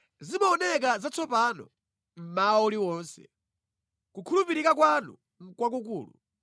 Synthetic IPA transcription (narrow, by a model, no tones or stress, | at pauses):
zimaɔnɛk̬azat͡sɔpanɔ̰ | m̩maɔɔliwɔnsɛ̰ | kukʰulupiɾikak̬wanṵ | ŋ̩kwak̬ukuːlṵ